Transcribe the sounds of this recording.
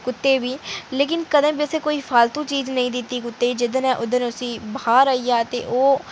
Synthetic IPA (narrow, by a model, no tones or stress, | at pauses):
kʊt̪ːeːʋiːleːk̬ɪnkəd̪ə̃ːbiəseːkoːiːfʰaːlt̪ũːt͡ʃiːznəĩːd̪ɪt̪ːiːkʊt̪ːeːd͡ʒɪd̪ənɛ̃ːʔʊd̪ənʊsĩːbɦaːɾaːiːaːt̪ḛːʔoː